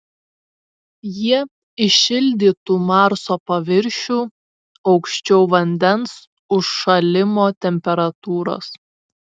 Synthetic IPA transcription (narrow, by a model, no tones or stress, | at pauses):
jiɛ | ɪʃʲɪlʲd̪ʲiːt̪uːmɑɾsoːpɐʋʲɪɾʲʃʲuː | ɒʊkʃʲt͡ʃʲɛʊʋɐnʲd̪ʲɛns | ʊʃːɐlʲɪmoːt̪ʲɛmʲpʲɛɾɐt̪uːɾo̰ːs